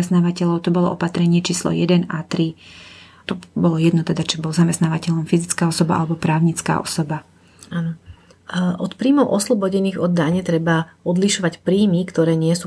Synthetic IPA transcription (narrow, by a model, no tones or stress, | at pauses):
ɛst̪naːʋacɛʎɔʊt̪ɔbɔlɔ̰ʔɔpat̪ɾɛɲɪɛt͡ʃiːslɔ̰jɛd̪ɛnat̪ɾi | t̪ɔbɔlɔjɛd̪nɔt̪ɛd̪at͡ʃibɔlzamɛst̪naːʋacɛʎɔmfizit͡skaːɔsɔba̰ʔa̰lɛbɔpɾaːʊɲit͡ska̰ːʔɔ̰sɔba | aːnɔ | ʔɔt̪pɾiːmɔʊʔɔslɔbɔɟɛniːɣɔd̪ːaɲɛt̪ɾɛbaɔd̪liʃɔʋacpɾiːmikt̪ɔɾɛːɲɪɛsu